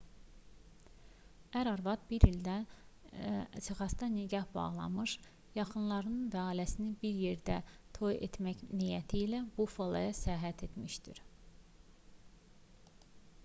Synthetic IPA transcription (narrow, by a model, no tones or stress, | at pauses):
æɾɑɾvɑd̪̚biɾild̪æ | t͡ʃʰɯχɑst̪ɑniɟɑhbɑ̰ʁlˠɑ̰mɯʃ | jɑχɯnlˠɑɾɯnɯnvæɑːlæsinibiɾje̞ɾd̪æt̪ʰo̞jḛt̪mæçnijæt̪ʰiːlæbufolˠɑ̰jɑsæɦæt̪ʰe̞t̪miʃd̪iɾ